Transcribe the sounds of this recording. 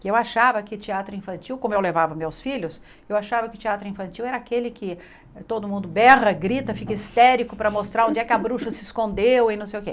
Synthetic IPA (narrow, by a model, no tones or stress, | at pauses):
kewaʃavɐkɪt͡ʃiat̪ɾʊĩfɐ̃nt͡ʃiwkõmʊewlevavɐmewsfiʎʊs | ewaʃavɐkɪʊt͡ʃiat̪ɾʊĩfɐ̃nt͡ʃiwɛɾɐakelɪkʰɪ | t̪od̪ʊmũnd̪ʊbɛʁɐɡɾit̪ɐfikɐist̪ɛɾikʊpɾɐmost̪ɾaɾõd͡ʒɪɛkɪɐbɾuʃɐsɪskõnd̪ewẽnɐ̃w̃sejʊke